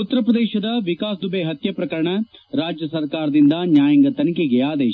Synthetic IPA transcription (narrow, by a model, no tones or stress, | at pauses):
ut̪ːɐɾɐpɾɐd̪eːʃɐd̪ɐʋikaːsd̪ubeɦɐt̪jɐpɾɐkɐɾɐɳɐɾaːd͡ʒjɐsɐɾkaːɾɐd̪ind̪ɐnjaːjɐŋɡɐt̪ɐnikeɡeaːd̪eː